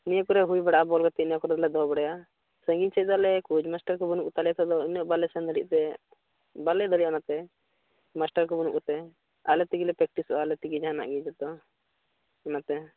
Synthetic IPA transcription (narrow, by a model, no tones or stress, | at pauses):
nijəkɔɾɛɦujbɛɽaʔabɔlɡɔt̪ɛnijakɔɾɛd̪lɛd̪ɔbɔɽɛja | sə̃ŋɡiɲt͡ʃʰɛd̪ɔalɛkud͡ʒmasʈaɾkɔbunuk̚ut̪alɛjat̪ʰɛd̪ɔinjɔʔbalɛsɛ̃nd̪əlḭʔt̪ɛ | balɛd̪əliʔanat̪ɛ | masʈaɾkɔbɔnuk̚ut̪ɛ | alɛt̪iɡilɛpɾɛk̚ʈisɔaalɛt̪iɡid͡ʒaana̰ʔɡid͡ʒɛt̪ɔ | ɛnat̪ɛ